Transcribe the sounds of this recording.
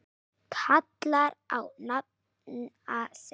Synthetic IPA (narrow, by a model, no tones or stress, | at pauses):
kʰat̪laɾʔawnat̪̚ | n | as